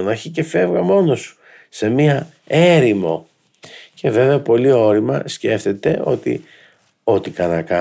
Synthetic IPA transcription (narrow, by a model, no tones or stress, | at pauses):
nɐçice̞fe̞vɣɐmo̞no̞su̥ | se̞miɐ | e̞ɾimo̞̰ | ce̞ve̞veɐpo̞lio̞ɾimɐ̰sce̞ft̪et̪e̞ʔo̞t̪ḭ | o̞t̪ikɐnɐkɐ